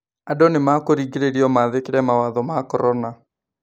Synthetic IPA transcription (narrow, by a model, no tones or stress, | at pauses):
adonemakoɾiɡeɾeɾiɔmaðekeɾɛmawaðɔmakɔɾɔna